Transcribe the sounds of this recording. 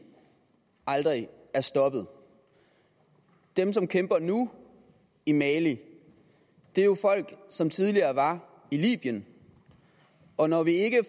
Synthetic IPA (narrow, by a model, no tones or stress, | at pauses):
ɑld̥ʁi | æɐsd̥ɒ̽b̥ð̞̩ˠ | d̥emsɒ̽mkʰemb̥ɐnu | imɛːli | d̥e̝ɐjo̝fɒ̽l̰ɡ̥sɒ̽mt͡sʰið̞ˠliɐːʋɑ̈ | ilḭːb̥jən | ɒ̽nɒʋie̝ɡ̥ə